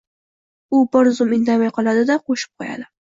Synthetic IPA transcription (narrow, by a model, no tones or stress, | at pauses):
ʊbɒɾzʊmɪnd̪amajqʰɒlˠad̪ɪd̪aqʰoʃɪ̥p̚qʰoja̰d̪ɪ